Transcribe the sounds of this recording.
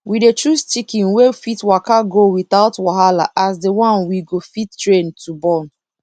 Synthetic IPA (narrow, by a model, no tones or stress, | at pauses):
widet͡ʃust͡ʃikĩnwefitwakaɡowiθaʊtwaɦalaʔasdewɔ̃nwiɡofittɹẽntʰubɔn